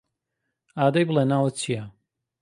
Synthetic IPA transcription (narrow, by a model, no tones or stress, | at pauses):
aːd̪ajblˠenaːwɐt͡ʃʰija